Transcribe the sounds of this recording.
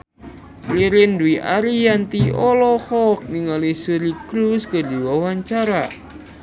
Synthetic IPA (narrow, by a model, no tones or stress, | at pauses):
liɾɪnduiʔa̰ɾijant̪iɔlɔhɔk̚niŋalisuɾikɾuskədiwawaɲt͡ʃaɾa